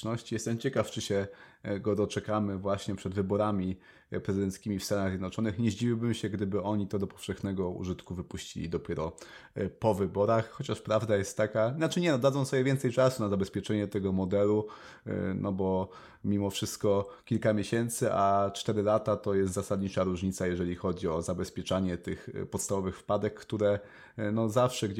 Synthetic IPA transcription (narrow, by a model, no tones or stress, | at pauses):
nɔɕt͡ɕijɛst̪ɛmt͡ɕɛkaft͡ʂɘɕɛɡɔd̪ɔt͡ʂɛkamɘvwaɕɲɛpʂɛd̪vɘbɔɾamʲi | pɾɛzɘd̪ɛnt̪skʲimʲifst̪anaɣzʲjd̪nɔt͡ʂɔnɘxɲɛʑd͡ʑiwʲiwbɘmɕɛɡd̪ɘbɘɔɲit̪ɔd̪ɔpɔ̥fʂɛxnɛɡɔṵʐɘt̪kuvɘpuɕt͡ɕḭlʲḭd̪ɔpʲjɛɾɔpɔvɘbɔɾaxxɔt͡ɕaʂpɾavd̪ajɛst̪ːakainat͡ʂɘɲɛnɔd̪adzɔ̃sɔbʲjɛvʲjɛnt̪sɛjt͡ʂasunazabɛspʲjɛt͡ʂɛɲɛt̪ɛɡɔmɔd̪ɛlu | nʔɔbɔ | mʲimɔfʂɘst̪kɔkʲilkamʲjeɕɛnt̪sɘʔat͡ʂt̪ɛɾɘlat̪at̪ɔjɛst̪zasad̪ɲit͡ʂaɾuʐɲit̪sajɛʐɛlʲixɔd͡ʑiɔzabɛspʲjɛt͡ʂaɲɛt̪ɘxpɔt̪st̪avɔvɘxfpad̪ɛkːt̪uɾɛ | nɔzafʂɛɡ